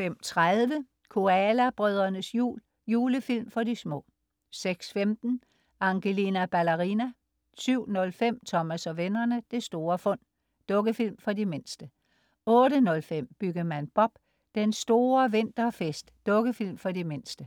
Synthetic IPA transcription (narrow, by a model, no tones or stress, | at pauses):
fem̰t͡sʰʁaðˠʋə | kʰo̝ælæb̥ʁœð̞ˠɐnəsjṵːl | juːləfil̰mfɒ̽dismɔ̰̽ː | seɡ̥sfemd̥n̩ | ɑ̈ŋɡ̥elinæb̥ælæʁinæ | syʊ̰nɔ̽lfem̰t͡sʰɒ̽mæsɒ̽ʋenɐnəd̥e̝sd̥o̝ːɐfɔ̽n̰ | d̥ɔ̽ɡ̥əfil̰mfɒ̽dime̝nsd̥ə | ɔ̽ːɾənɔ̽lfem̰b̥yɡɐmænb̥ɒ̽b̥ | d̥ensd̥o̝ːɐʋe̝nd̥ɐfesd̥ːɔ̽ɡ̥əfil̰mfɒ̽dime̝nsd̥ə